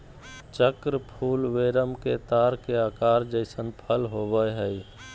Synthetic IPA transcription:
t͡ʃəkɾpʰuːlʋeɾəmket̪aːɾkeaːkaːɾd͡ʒəɪsənpʰəlɦobəjɦəɪ

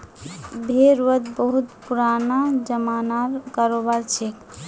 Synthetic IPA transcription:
bʱeɾuət̪bəɦut̪puɾanad͡ʒəmanaɾkaɾobaɾt͡ʃʰek

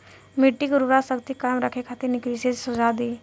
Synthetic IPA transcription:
miʈːiɡuɾuʋɾasəɡt̪iːkamɾakʰekʰat̪iːɾnikliset͡ssud͡zad̪i

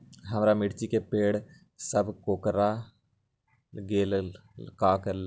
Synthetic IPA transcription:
ɦəmɾaːmɪʈt͡ʃiːkeːpeːɽ | səbkoːkɾaː | ɡeːlkaːkəl

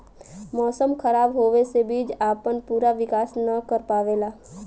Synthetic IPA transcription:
mɔːsəmkʰɐɾaːbɦoːʋesebiːd͡ʒaːpənpuːɾaʋɪkaːsnəkəɾpaːʋeːlaː

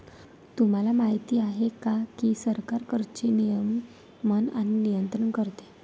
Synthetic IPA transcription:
t̪um̤alamaɦit̪iːaɦekakisəɾkaɾkəɾt͡ɕenijəmː | əna̰ninijənt̪ɾəɳkəɾt̪e̥

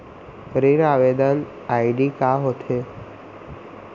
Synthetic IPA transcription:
ɾiɾaʋed̪ən | aiɖikaɦot̪ʰe

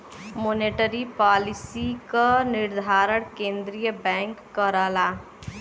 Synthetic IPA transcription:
moːneːʈəɾipaːlɪsikanɪɾd̪ʱaːɾəɳkẽːnd̪ɾijəbɛ̃ːŋkːəɾaːlaː

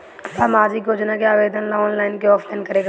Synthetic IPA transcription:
saːmaːd͡ʒiɡoːd͡ʒnakeaːʋeːd̪ənlaɔːnlaːɪnkeɔːpʰlaɪnkəɾeːɡ

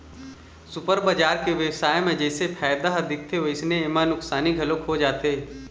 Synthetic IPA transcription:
sʊpəɾbad͡ʒaːɾkeʋjɐʋsaːjemẽd͡ʒɛːsepʰɛːjd̪aɦɐd̪ɪk̚t̪ʰeɦoɪsnẽemanʊksaːniɡʱɐlõkɦod͡ʒaːt̪eɦɛ

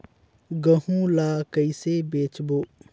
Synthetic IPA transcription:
ɡəɦũlaːkəisebeːt͡ʃboː

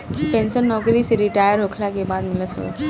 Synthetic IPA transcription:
pɛnsənːɔɡɾisɾiʈajəɾɦokʰlakebad̪milət̪ʰɔ̰

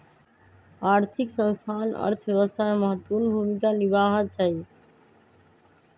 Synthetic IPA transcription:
aːɾt̪ʰiksə̃nst̪ʰanə̰ɾt̪ʰʋjeʋəst̪ʰameməɦət̪ːpuːnbʱumikanibaːɦət̪̚t͡ʃʰa

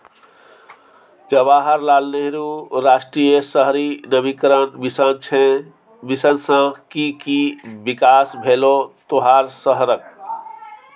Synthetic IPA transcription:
d͡ʒəbaɦəɾlalneɦɾuɾasʈɾijəsəɦɾinəmikɾənnt͡ʃʰe | bisənsə̃kikibikasbʱelot̪oɦaɾsəɦɾək̚

